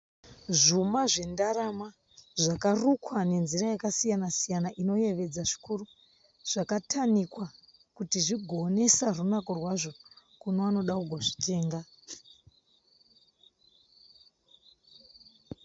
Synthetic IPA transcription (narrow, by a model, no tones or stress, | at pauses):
ʐumaʐe̞ndaɾama | ʐakarukwane̞nzirajakasijanasijanaʔino̞je̞ʋe̞d͡zaʐi̥kuru | ʐ̥akatʰanikwa | kutiʐiɡʱo̞ne̞sarunakorwaʐo̞ | kunoano̞ɗakuɡʱo̞ʐi̥te̞ːŋɡa